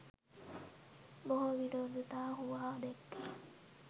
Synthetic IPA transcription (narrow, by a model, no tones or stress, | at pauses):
boɦoʋiɖoːd̪ut̪aːhuʋaːd̪eɡːi